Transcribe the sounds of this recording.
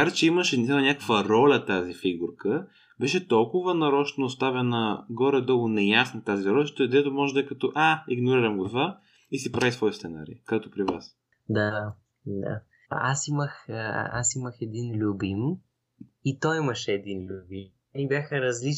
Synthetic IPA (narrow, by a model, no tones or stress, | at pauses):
kaɾt͡ʃɛiməʃɛnsamɐnʲakəkvɐɾɔlʲət̪azifiɡuɾkə | bɛʃɛt̪ɔlˠkʊvɐnɐɾɔt͡ʃnoːst̪avɛnəɡɔɾɛd̪ɔɡʊnɛjasnət̪aziɾɔlʲɐʃt̪d̪ɛt̪ʊmɔʒɛd̪ɐɛkɐt̪ɔʔaiɡnʊɾiɾəmɡot̪va | isipɾavisvɔjst̪sɛna̰ɾḭkɛt̪ʊpɾivas | d̪a | d̪a̰ | asiməxasiməxɛd̪inlʲubim | it̪ɔjimɐʃɛɛd̪inlʲubim | nibʲjaxəɾɐzli